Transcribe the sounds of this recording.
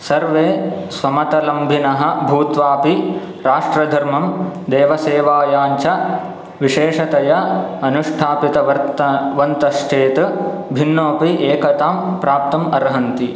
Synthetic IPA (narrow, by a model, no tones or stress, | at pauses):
sɐɾʋeːsʋɐmɐt̪ɐlɐmbʱinɐɦɐ̆bʱuːt̪ʋaːpi | ɾaːʂʈɾɐd̪ʱɐɾmɐmd̪eːʋɐseːʋaːjaːɲt͡ʃɐ | ʋiʃeːʂɐt̪ɐjɐɐnuʂʈʰaːpit̪ɐʋɐɾt̪ʋɐnt̪ɐʃʈʰeːt̪ɐ | bʱinːoːpiʔeːkɐt̪aːmpɾaːp̚t̪ɐmɐɾɦɐnt̪i